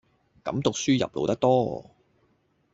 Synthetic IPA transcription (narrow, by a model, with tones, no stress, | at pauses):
kɐ˨˧˥mt̪ʊ˨k̚syː˥jɐ̰˨p̚lo̰˨˧wt̪ɐ˥k̚t̪ɔː˥˨